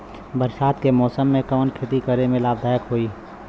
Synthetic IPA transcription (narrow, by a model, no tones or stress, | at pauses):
bəɾʃaːt̪kemɔːsəmːẽkɔːnkʰɪt̪ikəɾemẽlaːb̚d̪ʱaːjəkɦoːiː